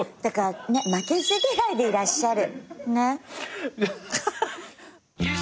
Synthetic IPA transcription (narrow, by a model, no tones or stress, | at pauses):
d̪̥akaɾanemake̞sɨɡ̪eɡaid̪e̞iɾaɕːaɾɯ̟ne